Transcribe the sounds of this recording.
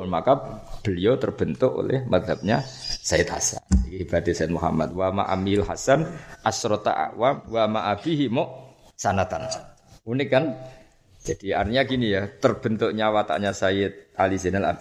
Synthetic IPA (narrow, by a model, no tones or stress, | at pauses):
nmakap̚b̥əliot̪ərb̥ənt̪ʊko̰lɛ̰hmad̪ɦap̚ɲasajɪt̪̚ha̰sa̰nakihibat̪esaɪt̪̚muɦa̰ma̰t̪̚wama̰ʔa̰milɦasanʔasɾɔt̪a̰ʔa̰ʔwamwamaʔab̥iɦimɔʔ | sanat̪an | unɪkːan | d͡ʒad̥ia̰rt̪iɲakinijat̪ərb̥ənt̪ʊkɲawat̪a̰ʔɲasaɪt̪̚alisinala̰b̥